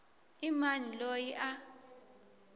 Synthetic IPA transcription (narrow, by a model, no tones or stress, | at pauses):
imanilojiʔa